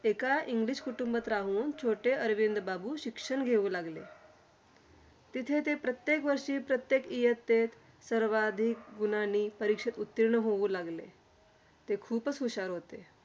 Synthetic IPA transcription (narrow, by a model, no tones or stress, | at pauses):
ekaʔiŋɡliɕkuʈumbət̪ɾaɦuːnt͡ɕʰoʈeəɾʋind̪babuːɕikʂəɳɡʱeʋũːlaɡlḛ | t̪it̪ʰet̪epɾət̪jekʋəɾʂiːpɾət̪jekijət̪ːet̪ | səɾʋad̪ʱik̚ɡunaniːpəɾikʂet̪ut̪ːiɾɳəɦouːlaɡlḛ | t̪ekʰuːpəsɦuɕaɾɦot̪e